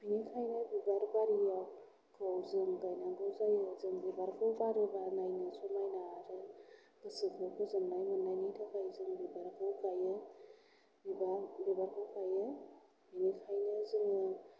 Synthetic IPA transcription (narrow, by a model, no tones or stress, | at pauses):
binikʰajnabibaɾbaɾijaw | kʰɯwzɯŋɡajnaŋɡɯwzajɯzɯŋbibaɾkʰɯwbaɾɯbanajnɯsɔmajnaɾɯ | b̥ɯsɯkʰɯkʰɯzɯmnajmɯnːajnitʰakajzɯŋbibaɾkʰɯwkajɯ | bibabibaɾkʰɯwkʰajɯ | binikʰajnɯzɯŋɯ